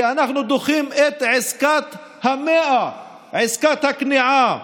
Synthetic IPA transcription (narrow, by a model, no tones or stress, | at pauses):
ʔanaxnud̪oxiːmʔet̪ʕɪzkaːt̪ | hameːʔa | ʕɪskaːt̪hakniʕa